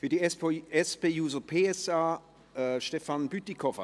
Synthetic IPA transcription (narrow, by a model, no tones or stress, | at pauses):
fyːɐdiɛspeːjuːzəpʰeːɛsaː | ʃtɛfanbytikʰɔfə